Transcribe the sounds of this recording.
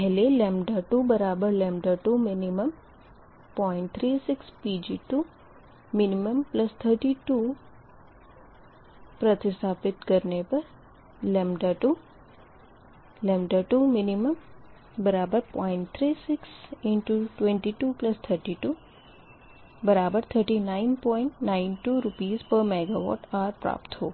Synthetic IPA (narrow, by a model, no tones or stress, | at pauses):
pɛɦɪlelẽːmɖaʈubɐɾaːbəɾlẽːmɖəʈuminiməm | pɔːɪ̃ɳʈ̚t̪ʰɾisɪkspiːd͡ʒiːʈuː | miniməmplɐst̪ʰəɾʈiːʈu | pɾɐt̪ɪsaːpɪt̪kɐɾnepɐɾ | lemɖaʈu | lemɖaʈumɪniməm | bəɾaːbəɾpɔ̰ːɪ̃ɳʈt̪ʰɾiːsɪksɪɳʈuʈwẽɳʈiːʈuplɐst̪ʰəɾʈiːʈuː | bəɾaːbəɾt̪ʰəɾʈinaɪnpɔːɪɳʈnaɪnʈuːɾʊpiːzpəɾmeɡaʋɔ̰ːʈaːɾpɾa̰ːpt̪ɦoː